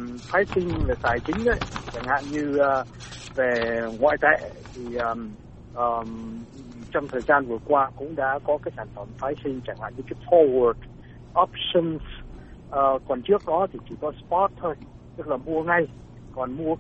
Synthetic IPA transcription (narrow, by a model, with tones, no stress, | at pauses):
faː˨˦jsï˧ŋ̟lə˨˩t̪aː˨˩jt͡ɕï˨˦ŋ̟ʔə̰˧˦jʰt͡ɕa˧˩ŋha̰ː˧˨nɲɨ˧əː˨˩ | ve˨˩ŋwa̰ː˧˨jt̪ḛ˧˨t̪ʰi˨˩ʔəː˨˩m | ʔəː˨˩ | t͡ɕɔ˧wŋ͡mt̪ʰəː˨˩jzaː˧nvɨ˨˩əkwaː˧kʊ̰˧˥ŋ͡mɗa̰ː˧˥kɔ˨˦kaː˨˦jsaː˧˩nfə˨˩nfaː˨˦jsï˧ŋ̟t͡ɕa˧˩ŋha̰ː˧˨nɲɨ˧kaː˨˦jfɔ˧wə˨˩d | ʔɔ˦˥p̚sɔ˧ns | ʔəː˨˩kɔ˨˩nt͡ɕɨ˦˥ək̚ɗɔ˨˦t̪ʰi˨˩t͡ɕi˨˩kɔ˨˦spɔ˦˥t̚t̪ʰo˧j | t̪ɨ˦˥k̚laː˨˩mu˧əŋa˧j | kɔ˨˩nmu˧ə